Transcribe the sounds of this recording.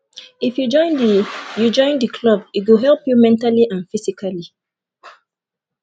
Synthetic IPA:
ifjud͡ʒɔ̃ɪ̃ndijud͡ʒɔ̃ɪ̃ndəkʰlɔbitɡoɦɛlˠpjumɛ̃ntaliʔãnfisikʰali

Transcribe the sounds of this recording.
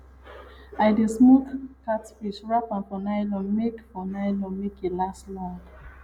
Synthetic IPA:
ajdesmokkːatfiʃɹapãnfɔnajlɔ̃mekfɔnaɪlɔ̃mekelaslãnd

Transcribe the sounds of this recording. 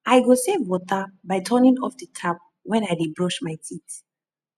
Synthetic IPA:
ʔajɡɔsevwɔtəbajtʰɔnĩŋɔfdətʰap̚ | wɛ̃najdibɹɔʃmajtʰit

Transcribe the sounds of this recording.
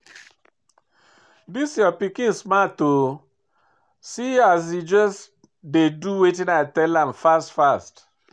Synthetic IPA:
disjɔpikĩnsmato | sias̬id͡ʒɔs | deduwet̬ĩnaɪtɛlãmfastfast

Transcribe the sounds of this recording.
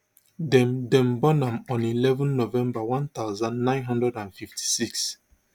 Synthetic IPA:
dɛ̃mdɛ̃mbɔnãmɔ̃nilɛvɔ̃nːovɛ̃mbawãnt̪aʊzãnːãɪ̃nɦɔ̃ndɹɛdãnfiftʰi̥siks

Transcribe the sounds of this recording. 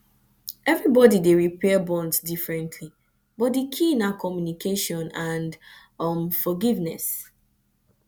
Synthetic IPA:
ɛvɹibɔdideɹipɛbɔ̃ndsdifɹɛ̃ntʰli | bɔt̚dekʰĩnakʰɔmjunikeʃɔ̃nãnd | ɔmfɔɡivnɛ̰s

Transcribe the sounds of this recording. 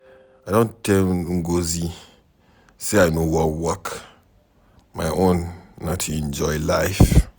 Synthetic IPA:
ajdõntɛŋɡozi | seajnowɔwɔk | majʔõnːatʰuɛ̃nd͡ʒɔjlajf

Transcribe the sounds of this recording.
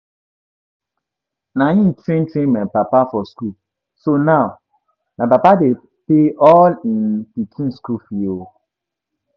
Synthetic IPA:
nãjĩtʰɾẽntʰɹẽnmãpapafɔsku | sonaʊ | nãpapade | peɔlĩnpikʰĩnskufio

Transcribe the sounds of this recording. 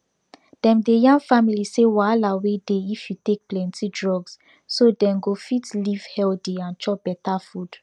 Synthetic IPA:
d̥ɛ̃mdejãŋɡfamilisewalawedeifjutek̚plɛ̃ntidɹɔɡs | sodɛ̃mɡofitliv̥hɛldeãnt͡ʃɔb̥ɛtafud̥

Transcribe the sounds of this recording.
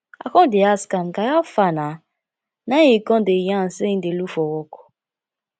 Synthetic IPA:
a̰kɔdeaskankajafana | naikɔ̃dejãn̩sedelufɔwɔkɔ̥

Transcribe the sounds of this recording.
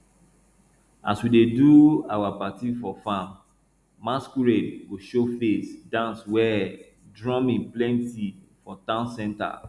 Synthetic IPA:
aswideduawapatifɔfãmː | askuɹeɡoʃofesdãnswɛ | dɹɔ̃mĩnplɛ̃nti | fɔtãʊ̃nsɛ̃nta̰

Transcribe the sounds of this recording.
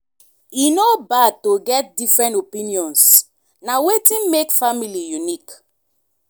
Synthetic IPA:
inobad̚toɡɛt̚difɹɛ̃ntopĩniɔ̃ns | nawetĩnmekfamilijunik

